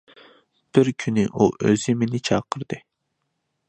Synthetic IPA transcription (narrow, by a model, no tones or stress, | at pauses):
b̥ɪɾkʲʰynɪʔuʔøzɪmenɪt͡ʃʰɑːqʰəɾd̪ɨ